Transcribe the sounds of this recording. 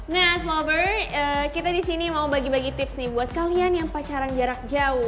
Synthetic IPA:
nas̬lɔbərəkit̪adisinimaubaɡibaɡit̪ɪpsnibuat̪̚kalianjaŋpat͡ʃaɾaŋd͡ʒaɾak̚d͡ʒaʊ

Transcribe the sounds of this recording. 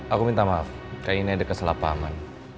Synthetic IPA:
akumint̪amaf | kainiadəkəsəlapa̰man

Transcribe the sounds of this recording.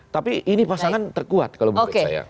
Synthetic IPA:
t̪apiʔinipasaŋant̪ərkua̰t̪̚kalobokea̰ja̰

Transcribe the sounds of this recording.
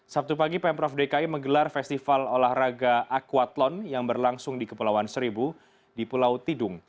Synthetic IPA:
sap̚t̪upaɡipɛmpɾɔfdekaiməŋɡəlarfɛst̪ifalolahraɡaʔakuat̪lɔnjaŋbərlaŋsʊŋdikəpulawansəɾibu | dipulawt̪idʊŋ

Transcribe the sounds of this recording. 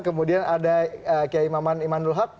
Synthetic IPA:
kəmudianadaəkaaimamanimanulɦak̚

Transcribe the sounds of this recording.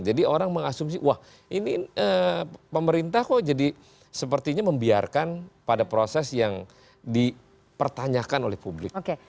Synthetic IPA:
d͡ʒadioɾaŋməŋasʊmsɪʔwah | iniəpəməɾint̪ahkɔd͡ʒadi | səpərt̪iɲaməmbiarkanpadapɾosɛsjaŋ | di | pərt̪aɲakanolɛhpublɪkoke

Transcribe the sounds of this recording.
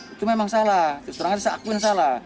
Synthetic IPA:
it̪umemaŋsalat̪st̪ɔɾaŋasasakuinas̬ala

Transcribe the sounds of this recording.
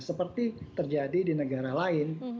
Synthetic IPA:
səpərt̪it̪ərd͡ʒadidinəɡaɾalaɪn

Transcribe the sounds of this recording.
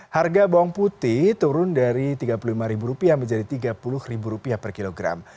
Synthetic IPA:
harɡaboɔŋput̪ɪht̪uɾʊndaɾit̪iɡapululimaɾibuɾupiaməɲd͡ʒadit̪iɡapulʊhribuɾupiapərkiloɡɾa̰m

